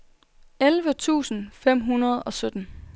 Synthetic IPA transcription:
elʋət͡sʰṵːsn̩fem̰ɦunɐð̞ˠɒ̽sød̥n̩

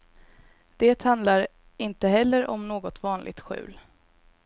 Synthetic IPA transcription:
d̪̥eːt̪hand̪laɾ | ɪnt̪əɦɛlːəɾɔmnoːɡɔt̪vɑːnlʔɪ̰ɡ̚t̪ɧʉ̟̰ːl

